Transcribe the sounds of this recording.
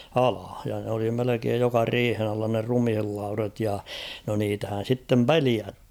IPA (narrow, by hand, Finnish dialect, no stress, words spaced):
ɑlɑ jɑ n oli melekeːj jokɑ riːhen ɑlːɑ ne rumhilːɑurɑt jɑ no niːtæhæn̞ sitːem peliæthi̥ˑj̊